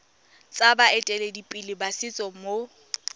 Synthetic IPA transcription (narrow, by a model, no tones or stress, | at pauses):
t͡sʼabaɛtʼɛledipʼilɪbasɪt͡sʼɔmo